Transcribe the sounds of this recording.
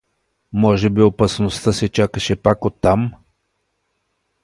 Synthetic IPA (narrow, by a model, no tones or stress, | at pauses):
mɔʒɛbiopɐsnost̪əsɛt͡ʃakəʃɛpakot̪ːam